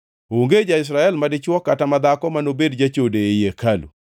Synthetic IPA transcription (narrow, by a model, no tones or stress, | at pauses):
oŋɡed͡ʒaɪs̬ɾaɛlmadɪt͡ʃwɔkatamad̪akɔmanobedd͡ʒat͡ʃodeejekʰalṵ